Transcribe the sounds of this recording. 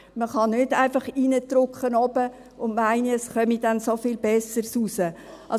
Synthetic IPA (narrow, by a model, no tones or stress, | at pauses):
məχɑnʏdaɪfɑχiːnətɾʊkχənɔbə | ʊndmaɪniəsχœmid̥ɛnsofiːlbɛsəɾsusəʔɑ